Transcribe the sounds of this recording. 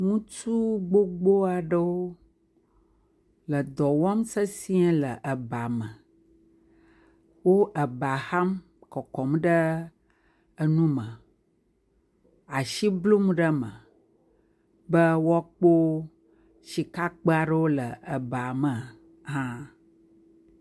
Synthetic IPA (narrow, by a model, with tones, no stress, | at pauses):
ŋũ˦tu˦ɡ͡bo˦ɡ͡bo˦a˨ɖə˦wo˦ | lə˨d̪ɔ˨wa˦msə˦si˦ɛ̃˦lə˨ʔə˨ba˨mə˨ | wo˦ʔə˨ba˨ha˦m | kɔ˨kɔ˨mɖə˦ | ə˦nũ˦mə̃˨ | a˨ʃi˦blu˦mɖə˦mə̃˨ | bə˦wa˦k͡po˦ | ʃi˨ka˦k͡pə˦a˨ɖə˦wo˦lə˨ə˨ba˨mə˨ | ɦã˦